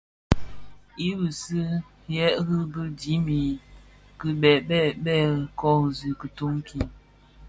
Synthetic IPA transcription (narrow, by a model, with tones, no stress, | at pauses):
i˦bɨ˨sɨ˦ | jɛ˦ʔɣə˦bə˦di˨˦mi˨ | kɨ˨ɓɛ˨ɓɛ˦˨ɓɛ˦˨kɔ˦˨zɨ˨kə˨tu˦ŋki˦